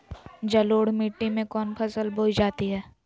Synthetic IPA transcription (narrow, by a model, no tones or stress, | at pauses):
d͡ʒɐloːɽmiːʈːimẽkɔːnpʰɐsəlbʱoːd͡ʒaːt̪iɦɛː